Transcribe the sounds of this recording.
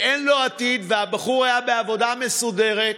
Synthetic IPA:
ʔenlo̞at̪id̪vehabaχuʁajabe̞avo̞dame̞sude̞ʁe̞t̪

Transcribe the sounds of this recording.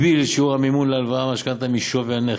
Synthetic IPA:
bilʃeuamimunlealvaamaʃkant̪amiʃoveane

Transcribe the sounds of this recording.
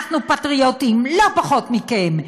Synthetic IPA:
χnupatʁiotimlo̞paχo̞tmikem

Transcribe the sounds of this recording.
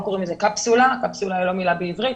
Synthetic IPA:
koʁimezekapsulakapsulailo̞milabeivʁit̪

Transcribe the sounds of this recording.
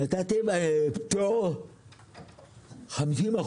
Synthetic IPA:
atatebato | xamsima

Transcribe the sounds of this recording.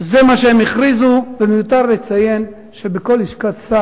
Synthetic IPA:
zemaʃeemiχʁizuvemejut̪aʁle̞t͡saje̞n | ʃe̞beko̞lhiʃkatt͡ssa

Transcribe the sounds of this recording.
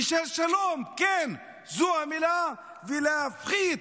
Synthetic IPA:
ʃelʃalomken | zuamila | vilaafχi

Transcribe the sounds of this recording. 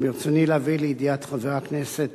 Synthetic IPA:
miʁt͡sonilaːvileid̪iat̪χaveʁakneset̪

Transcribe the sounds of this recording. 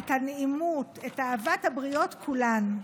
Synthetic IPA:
thaneimutetaːvathabʁio̞tkʰulan

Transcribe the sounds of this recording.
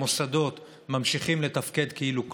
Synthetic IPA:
osado̞t̪ | mamʃiχimle̞t̪afke̞d̪keiluk

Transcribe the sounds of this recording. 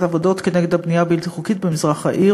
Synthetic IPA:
tavod̪o̞t̪keneɡed̪abnijabilt̪iχukitbemizʁaχa̰ʔi

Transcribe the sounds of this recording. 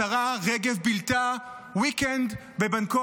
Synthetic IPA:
aʁaʁeɡevbilt̪a | wikɛnd̪ | bebanko

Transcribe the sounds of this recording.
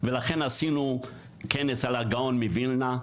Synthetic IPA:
velaχenasinu | kenesalhaɡaonmivilna

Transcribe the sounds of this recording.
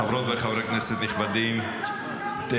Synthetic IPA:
avɾot̪veχavɾɛknɛsɛd̪nɪχbad̪im | t̪e

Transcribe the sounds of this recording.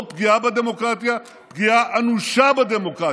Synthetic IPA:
pɡjaːbɐd̪emokɾaːt̪ija | ɡijaːʔɐnuʃaːbɐd̪emokɾaː

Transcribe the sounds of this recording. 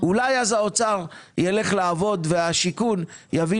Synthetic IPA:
ulajazao̞t͡saʁjele̞χlaːvo̞d̪veaʃikunjavi

